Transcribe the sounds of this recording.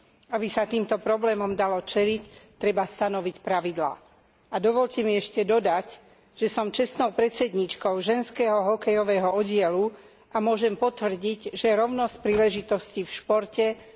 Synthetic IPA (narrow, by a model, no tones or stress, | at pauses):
abisat̪iːmt̪ɔpɾɔblɛːmɔmd̪alɔt͡ʃɛlict̪ːɾɛbast̪anɔʋicpɾaʋid̪la̰ː | ad̪ɔʋɔʎcɛmiɛʃcɛd̪ɔd̪ac | ʒ̥ɛsɔmt͡ʃɛst̪nɔʊpɾɛt͡sɛd̪ɲit͡ʃkɔʊʒɛnskɛɦɔɦɔkɛjɔʋɛːɦɔɔɟɪɛlu | ʔamʊɔʒɛmpɔt̪ʋr̩ɟiɟʒɛɾɔʊnɔsc̚pɾiːlɛʒit̪ɔscifʃpɔɾcɛ